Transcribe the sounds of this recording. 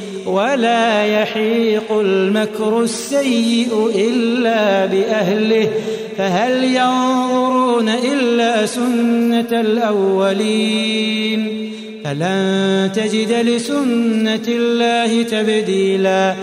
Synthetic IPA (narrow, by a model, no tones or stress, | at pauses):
walaːjɑħiːqʊlmakɾʊsːajːɪʔʊʔɪlːaːbɪʔahlɪh | faɦaljɑnððˤʊɾuːnaʔɪlːaːsʊnːalʔawːaliː | n | falant̪ad͡ʒɪd̪lɪsʊnːalːaːhɪt̪abd̪iːlaː